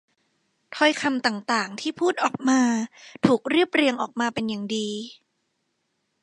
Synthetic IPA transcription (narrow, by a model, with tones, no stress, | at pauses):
t̪ʰɔ˧jkʰa˧mt̪aː˨˩ŋt̪aː˨˩ŋt̪ʰiː˥˩pʰuː˥˩t̪̚ʔɔː˨˩k̚maː˧t̪ʰuː˨˩k̚ɾɯ˥˩əp̚ɾi˧əŋʔɔː˨˩k̚maː˧pe˧njaː˨˩ŋdiː˧